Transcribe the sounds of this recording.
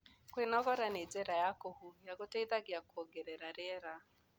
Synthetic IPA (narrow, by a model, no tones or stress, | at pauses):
kwenɔɣɔɾaned͡zɛɾajakɔhujaɡotɛiðaɡiakɔɡɛɾɛɾaɾɛɾa